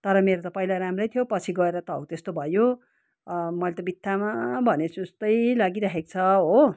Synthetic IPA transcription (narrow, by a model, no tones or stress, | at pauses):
t̪ʌɾʌmeɾot̪ʌpʌijlaɾamrʌjt̪ʰijopʌt͡sʰiɡʌeɾʌt̪ʌʌ̰wt̪est̪obʱʌjo | mʌlet̪ʌbit̪ʰːamabʱʌnet͡sʰuest̪ʌjlaɡiɾaɦekt͡sʰʌɦo